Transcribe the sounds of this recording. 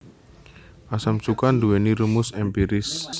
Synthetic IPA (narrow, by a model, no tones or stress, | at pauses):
ʔasamsukand̪uweniɾumʊsɛmpiɾɪs